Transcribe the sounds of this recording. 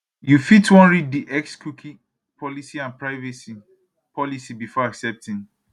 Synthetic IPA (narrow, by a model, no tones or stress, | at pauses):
jufitwɔ̃nɹid̚diʔɛkskukʰi | pʰɔlisiãnpɹaɪvɛsi | pʰɔlisibifɔaksɛp̚tĩŋ